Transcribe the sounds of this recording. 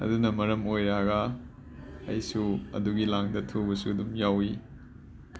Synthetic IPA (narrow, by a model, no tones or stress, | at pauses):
ɐ̰dunɐmɐɾɐmojɾaɐɡɐ̰ː | jsuɐ̰duɡilaŋdɐtʰobɐsuɐdumjawi